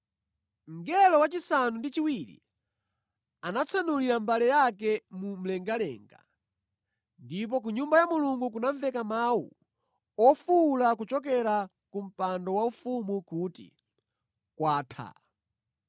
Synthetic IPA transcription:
ŋɡɛlɔwat͡ʃisanundit͡ʃiwiɾḭ | anat͡sʰanuliɾambalɛjakɛmum̩lɛŋɡalɛ̰ːŋɡa̰ | ndip̬ɔk̬uɲumbajamuluŋɡuk̬unaɱvɛkamawṵ | ɔfulakut͡ʃɔk̬ɛɾa | kum̩pandɔwaufumukutḭ | kwaːtʰa̰

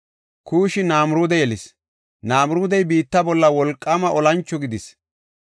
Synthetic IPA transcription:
kʰuːʃɪnaːmʊɾuːd̪ɛjɛlɪs | naːmʊɾuːd̪ɛjbiːt̪ːɐbɔlːɐwɔlkʼːɐmɐʔɔlɐnt͡ʃːɔɡɪd̪ɪs

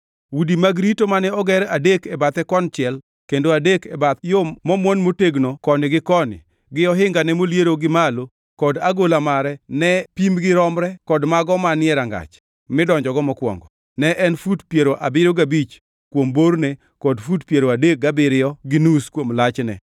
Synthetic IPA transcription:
wudimaɡɾitomanɛɔɡɛɾadekɛbat̪ɛkɔnt͡ʃɪɛl | kendoadekɛbat̪jomɔmwonmoteɡnokɔnɪɡɪkɔnɪ̰ | ɡɪɔɦɪŋɡanɛmoljeɾoɡɪmalo | kɔdaɡolamaɾɛnɛpimɡɪɾɔmɾɛkɔdmaɡɔmanɪɛɾaŋɡa̰t͡ʃ | mɪdɔɲd͡ʒɔɡɔmɔkwɔ̰ŋɡɔ | nɛʔɛnfutpjeɾoʔabɪɾoɡabit͡ʃ | kwomboɾne | kɔdfutpjeɾoadek̚ɡabɪɾɪjɔɡɪnuskwomlat͡ʃnɛ̰

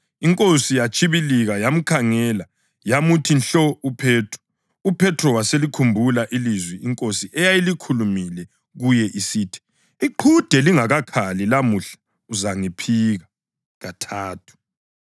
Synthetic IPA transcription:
iŋkʼosijat͡ʃʰʼiβiliɣajam̩kʰaŋɛla | jamutʰinɬɔupʰɛːtʰrɔ̥ | upʰɛtʰrɔwaselikʰumbʱulaʔilizwɛiŋkʼosiʔɛjajilikʰulumilɛ | ɣujɛʔisiːtʰi̥ | iǃʰud̥ʱɛliŋaɣakʰalilamuɬḁ | uzaŋipʰiɣa | ɣatʰaːtʰu̥

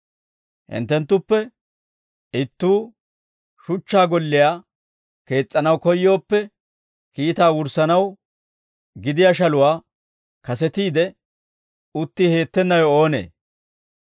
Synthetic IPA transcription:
hɪ̰nt̪ːɛnt̪ːʊpːɛ | ɪt̪ːuː | ʃʊt͡ʃːaːɡɔlːɪjaː | ke̞ːt͡sʼːɐnɐwkɔjːo̞ːpːɛ | kiːt̪aːwʊɾsɐnɐw | ɡɪd̪ɪjaʃ̬ɐlʊwaː | kɐsɛt̪iːd̪ɛ | ʊt̪ːihe̞ːt̪ːɛnːɐjɔoːnḛː

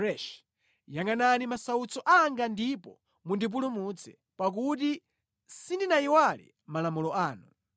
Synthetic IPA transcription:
ɛʃ | jaŋananimasaut͡sɔʔaŋɡandipɔ | mundip̬ulumut͡sʰɛ̰ | pak̬uti | sindinaiwalḭ | malamulɔaːnu

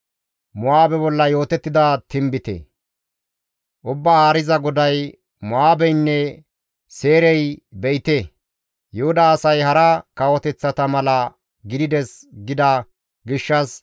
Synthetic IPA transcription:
mʊaːbɛbɔlːɐjo̞ːt̪ɛt̪ːɪd̪ɐt̪ɪmbɪt̪ɛ̰ | ʔʊbːahaːɾɪzɐɡɔd̪ɐj | mʊaːbɛjnːɛ | seːɾɛjbɛjɪt̪e | jʊhʊd̪aːsɐjhɐɾɐkɐwɔt̪ɛt͡sːɐt̪ɐmɐlɐ | ɡɪd̪ɪd̪ɛsɡɪd̪ɐ | ɡɪʃːɐs

